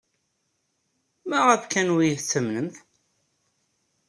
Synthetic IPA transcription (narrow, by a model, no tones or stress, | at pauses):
mæʁæfkænwijəθt͡sːəmnəmθ